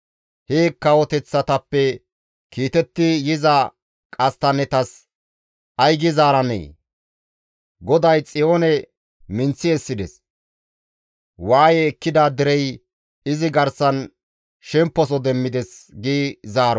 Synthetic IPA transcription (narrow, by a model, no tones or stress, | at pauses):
heːkːɐwɔt̪ɛt͡sːɐt̪ɐpːɛ | kiːt̪ɛt̪ːɪjɪzɐ | kʼɐst̪ɐnɛt̪ɐs | ʔɐjɡɪzaːɾɐnɛ̰j | ɡɔd̪ɐjt͡sʼɪjo̞ːnɛ | mɪnt͡sːɪɛsːɪd̪ɛs | waːjɛːkːɪd̪ɐd̪ɪɾɛj | ɪzɪɡɐɾsɐn | ʃɛmpːɔs̬ɔd̪ɛmːɪd̪ɛsɡiːzaːɾɔ